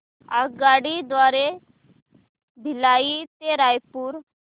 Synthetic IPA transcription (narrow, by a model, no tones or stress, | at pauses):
a̰ɡaɽid̪ʋaɾe | b̪ʱilait̪eɾajpuːɾ